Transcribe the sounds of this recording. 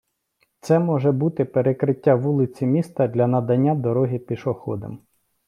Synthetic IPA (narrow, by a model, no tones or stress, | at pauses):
t̪sɛmɔʒɛbut̪ɪpeɾekɾɪtʲːaʋulˠɪt͡sʲimʲist̪ɐd̪ʲlʲɐnɐd̪ɐnʲːad̪ɔɾɔɦʲipʲiʃɔxɔ̰d̪ɐ̰m